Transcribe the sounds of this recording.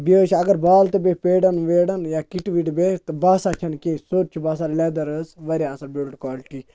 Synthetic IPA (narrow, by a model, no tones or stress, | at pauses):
bʲeːt͡ʃʰɐɡɐɾbaːlt̪ɨbʲepeːɖɐnʋeːɽɐnjakiʈʋiʈbet̪ɨbaːsat͡ʃʰɐnkẽːsoːɾt͡ʃʰubaːsalɛːd̪ɐɾəsʋɐɾʲaːsɐɾbʲeːlʈkaːlʈi